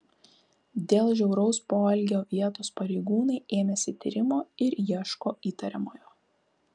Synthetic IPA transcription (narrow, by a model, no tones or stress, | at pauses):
d̪ʲeːlˠʒʲɛʊɾɐʊspoːɐlʲɡʲoːʋʲiɛt̪oːspɐɾʲɛɪɡuːnɐɪeːmʲɛsʲɪt̪ʲḭːɾʲɪmoːɪɾjiɛʃkoːiːt̪ɐɾʲɛmoːjoː